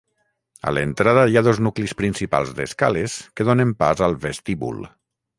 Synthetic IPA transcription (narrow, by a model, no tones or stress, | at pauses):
a̰lent̪ɾað̞əjaðoznuklispɾinsipa̰lˠzðḛskaleskeðonempa̰zalˠβest̪iβṵl